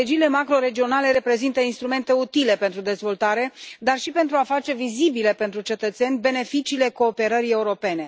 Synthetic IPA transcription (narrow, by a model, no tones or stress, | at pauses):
ed͡ʒiːle̞makɾo̞ɾe̞d͡ʒio̞nale̞ɾe̞pɾe̞zint̪əinst̪ɾume̞nt̪e̞ut̪ile̞pe̞nt̪ɾud̪e̞zvo̞lt̪aɾe̞d̪arʃipe̞nt̪ɾuafat͡ʃe̞vizibile̞pe̞nt̪ɾut͡ʃe̞t̪ət̪senʲbe̞ne̞fit͡ʃiːle̞ko̞ːpe̞ɾəɾie̞uɾo̞pe̞ne̞